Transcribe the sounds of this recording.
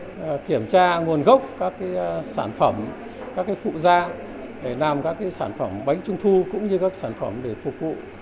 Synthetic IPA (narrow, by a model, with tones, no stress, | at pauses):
ki˧˩əmt͡ɕaː˧ŋu˨˩ənɣə˦˥wk͡p̚kaː˦˥kːaː˨˦jsaː˧˩nfə˧˩m | kaː˦˥kːaː˨˦fṵ˧˨zaː˧ | ɗe˧˩naː˨˩mkaː˦˥kːaː˨˦jsaː˧˩nfə˧˩mɓa˨˦jŋ̟t͡ɕʊ˧ŋ͡mt̪ʰu˧kʊ̰˧˥ŋ͡mɲɨ˧kaː˦˥ksaː˧˩nfə˧˩mɗe˧˩fʊ˨˩k͡p̚vṵ˧˨